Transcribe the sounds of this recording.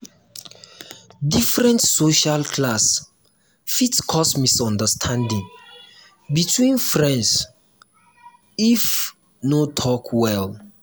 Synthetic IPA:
difɹɛ̃ntsoʃalkʰlas | fitkʰɔsmisɔ̃ndəstʰãndĩŋ | bitʰwĩnfɹɛ̃ns | if | notʰɔkʰwɛl

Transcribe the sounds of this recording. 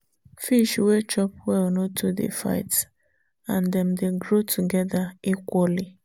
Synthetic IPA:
fiʃwet͡ʃɔpwɛɔnotʰudḛfa̰ɪts | ãndɛmdeɡɾotʰuɡɛðaikʷɔli

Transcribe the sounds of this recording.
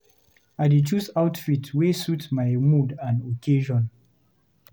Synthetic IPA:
aɪdet͡ʃusaʊtfitʰwesutmaɪmudãnokʰeʒɔ̃n

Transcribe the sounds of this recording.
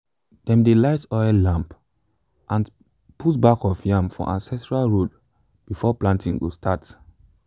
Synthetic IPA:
d̥ɛ̃mdelaɪtɔɪllãmp | ʔãn | pʰutbakɔfjãmfɔ̰̃ʔãnsɛstɹalɹod | b̥ifɔplãntĩŋɡo̰stʰat

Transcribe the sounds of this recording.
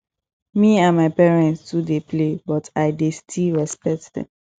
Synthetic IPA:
miãnmaɪpɛɹɛ̃ntstudeplebɔtʰaɪdestʰilɹɛspɛk̚tdɛ̰̃m

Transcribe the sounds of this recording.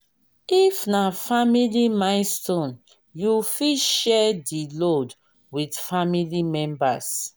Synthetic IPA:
ifnafamilimãɪnstõn | jufiʃɛdilod | widfamilimɛ̃mbas

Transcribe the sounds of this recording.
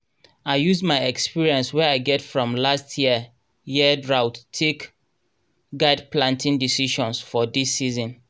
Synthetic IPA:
aɪjuzdmaɪɛkspiɹiɛ̃nswɛaɪɡɛtfɹɔ̃mlastʰjiə | jiədɹaʊtːʰek | ɡaɪdplãntĩndisiʃɔ̃nsfɔdisːizɔ̃n

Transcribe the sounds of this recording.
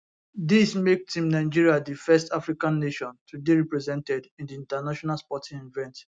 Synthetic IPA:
dismek̚tĩmnãɪd͡ʒiɹiadifɛstafɹikãnːeʃɔ̃ntʰudeɹipɹɛzɛ̃ntɛdĩndiĩntanaʃɔnalspɔtĩnĩnvɛ̃nt

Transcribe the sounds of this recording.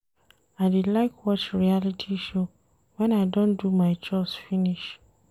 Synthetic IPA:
aɪdidlaɪkʰwɔt͡ʃɹialitʰiʃo | wɛ̃naɪdɔ̃ndumaɪt͡ʃɔsfiniʃ

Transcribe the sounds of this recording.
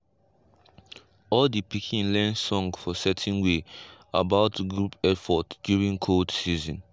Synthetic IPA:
ɔldipikʰĩnlɛ̃nsɔ̃ŋɡfɔsɛtʰɛ̃nweabaʊtɡɹupɛfɔtdjuɹĩŋkʰoldsizɔ̃n

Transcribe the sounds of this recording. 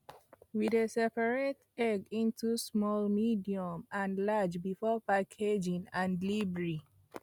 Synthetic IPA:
widesɛpaɹet | ɛɡĩntʰusmɔlmidiɔ̃mãnlad͡ʒbifɔpakʰed͡ʒĩnãndlibɹi

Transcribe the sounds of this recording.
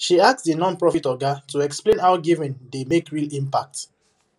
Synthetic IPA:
ʃiassdənɔ̃npɹɔfitɔɡatuɛksplẽnɦaʊɡivɛ̃ndemekɹilĩmpak̚t

